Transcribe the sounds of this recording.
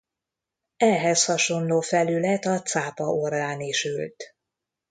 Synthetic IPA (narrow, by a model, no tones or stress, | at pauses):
ɛɦɛshɒʃo̞nloːfɛlylɛt̪ɒt̪saːpɒoraːniʃylt̪